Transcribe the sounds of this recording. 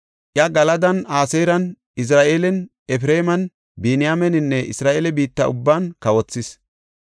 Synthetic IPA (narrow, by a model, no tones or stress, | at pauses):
ʔjɐɡɐlɐd̪ɐnaːseːɾɐn | ɪs̬ɾaːʔeːlɛn | ɛfɾeːmɐn | biːnɪjaːmɛnɪnːɛʔɪ̰sɾaːʔeːlɛbiːt̪ːɐʊbːaːnkɐwɔt͡sːɪs